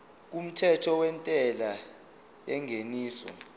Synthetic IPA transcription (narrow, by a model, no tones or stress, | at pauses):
k̬um̩tʰɛtʰɔwɛntʼɛla | jɛŋʱeniːsɔ̰